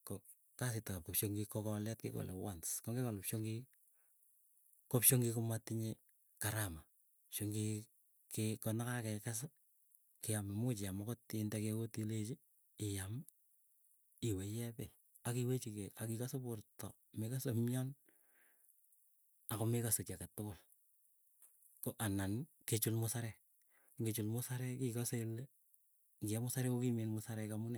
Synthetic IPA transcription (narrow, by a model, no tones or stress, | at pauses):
kɔ | kas̬ɪtakap̚kopʃoŋɡikɔkɔlɛtkɪko̰lḛwanskɔŋɡekalʊpʃoŋɡi | kopʃoŋɡikʊmatɪɲe | kaɾama | ʃoŋɡi | kekɔnakakɛkas̬a | kɪamɪmʊt͡ʃɪamakotindɛkekotilet͡ʃi | ɪjam | ɪwejɛpe | akiwet͡ʃikeakikasopʊɾtɔ̰ | mekasomjan | akomekasot͡ʃakatʊkʊl | koʔanan | ket͡ʃulmʊsaɾɛ | ɡet͡ʃulmʊsaɾɛkikɔsele | kɪɛmʊsaɾɛkokimenmʊsaɾɛkamʊnɛ